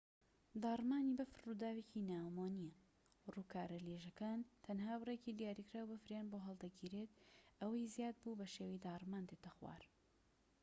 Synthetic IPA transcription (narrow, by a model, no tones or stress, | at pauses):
d̪aːrmaːnibɐfɨrːud̪aːwecʰinaːmaːnijɐ | ruːkʰaːɾɐleʒɐkaːnt̪ʰɐnɦaːbreciːd̪ijaːɾikɾaːwbɨfɾjaːnboɦɐlˠd̪ɐɡiːɾet̪̚ʔɐwɐjzjaːd̪̚buːbɐʃeːwid̪aːrmaːnd̪eːt̪ʰɐxwa̰ːɾ